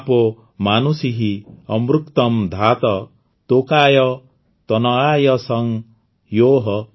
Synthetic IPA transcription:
pɔ | manusiɦiɔmɾukt̪ɔmd̪ʱat̪ɔ | t̪okajɔ | t̪ɔnɔajɔsɔŋ | joɦɔ

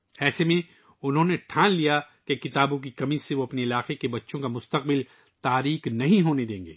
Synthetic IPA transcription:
ɛːsemẽ | ʊnɦõːneʈʰãːnlija | kekɪt̪aːbõk̬ikɐmiseʋoɐpneɪlaːqekebɐtːʃõkamʊst̪əq̚bɪl | t̪aːɾiːknɐɦĩɦoːned̪ẽːŋɡḛː

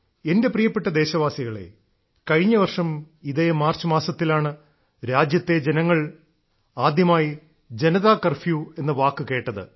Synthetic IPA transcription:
e̞nde̞prijɐpːeʈːɐd̪e̞ːɕɐʋaːsiɣɐɭe̞̰ | kɐɻiɲːɐʋɐrʂɐm | iðe̞maːrt͡ɕɨmaːsɐt̪ːilaːɳɨ | ɾaːd͡ʑjɐt̪ːe̞d͡ʑe̞nɐŋːɐɭ | aːd̪jɐmaːji | d͡ʑe̞nɐðaːkɐrfjuːe̞nːɨʋaːkːɨke̞ːʈːɐðɨ̰

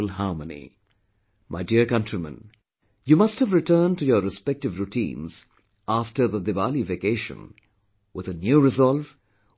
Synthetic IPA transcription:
lˠɦɑɹmənḭ | mʔaɪdiəɹkʌ̃ntɹ̥imə̰̃n | juːmʌsthəvɹɨtʰɜːntujəɾɨspɛk̚tɨvɾutʰḭ̃ːnz̥ | æftə˞ðəd̪ɪvaːlivekeɪʃə̰̃n | wɪðənjuːɾɪzɔlˠv

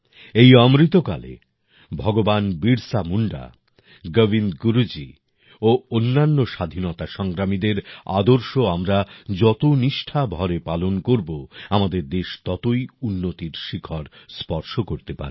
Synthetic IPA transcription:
ejɔmɾit̪oka̰lḛ | bʱɔɡobanbiɾsamuɳɖa̰ | ɡəvinɡuɾud͡ʑi | oonːanːoʃad̪ʱinɔt̪aʃɔŋɡɾamid̪eɾa̰d̪oɾʃoamɾad͡ʑɔt̪oniʃʈʰabʱɔɾepalonkoɾboamad̪eɾd̪eʃt̪ɔt̪ojunːot̪iɾʃikʰɔɾspɔɾʃokoɾt̪epa̰ɾe

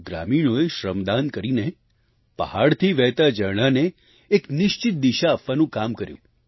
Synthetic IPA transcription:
ɡɾa̰miɽ̃oeʃɾəmd̪ankəɾine | pə̰haɭt̪ʰiʋɛɦt̪ad͡ʒəɾɽ̃aneː | knɪʃt͡ʃɪt̪̚d̪iʃaːpʋanũkamkəɾjṵ̃

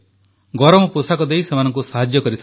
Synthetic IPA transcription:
ɡɔɾɔmɔpusakɔd̪ejsemanɔŋkusaɦad͡ʒjɔkɔɾit̪ʰa

